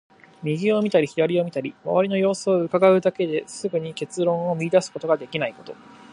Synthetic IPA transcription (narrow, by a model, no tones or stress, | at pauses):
mʲiɡʲio̞mʲit̪aɾʲiçiɾaɾʲio̞mʲit̪aɾʲima̰βaɾʲino̞jo̞ːsːɯ̟kaɡaɯ̟d̪ake̞d̪e̞sɨɡɯ̟ɲ̟ike̞t͡sɨɾõ̞ɰ̃o̞mʲiid̪asɨ̥ko̞t̪o̞ɡad̪e̞kʲinaiko̞̥t̪o̞̰